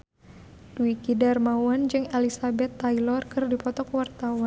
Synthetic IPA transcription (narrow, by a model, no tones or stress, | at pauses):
d̥uikidarmawand͡ʒɨŋelisabɛt̪ːailɔrkɨrdipɔt̪ɔkwart̪awan